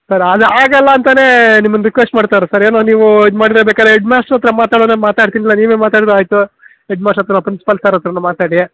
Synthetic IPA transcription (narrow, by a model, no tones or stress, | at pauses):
sɐɾɐd̪eaːɡɐlːɐːnt̪ɐne̞ːnimːɐnɾikʋesʈmaːɽt̪aːɾusɐɾe̞ːnoːniːʋuid̪maːɽiɾɐbeːkaːd̪ɾeeɖmaːsɐt̪ːɾɐmaːt̪aːɽonɐnmaːt̪aːɽt̪inilːɐniːʋeːmaːt̪aːɽid̪uaːjt̪u | eɖmaːsɐt̪ɾɐpɾinsi̥pɐlsɐɾɐt̪ɾɐnɐmaːt̪aːɽi